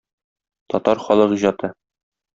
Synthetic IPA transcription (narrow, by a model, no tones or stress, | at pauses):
t̪ɒt̪ɑɾχɒlˠɤʁiʑɒt̪ɤ